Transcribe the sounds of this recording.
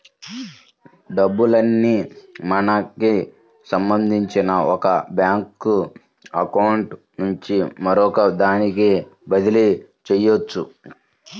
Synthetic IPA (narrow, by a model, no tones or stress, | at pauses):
ɖɐbːulɐnːiːmɐnɐki | sɐmbɐnd̪ʱiɲt͡ʃinɐɔkɐbjaːŋku | ɐkɐwɳʈ | nuɲt͡ʃimɐɾɔkɐd̪aːnikeːbɐd̪ilit͡ʃɛjːot͡ʃːu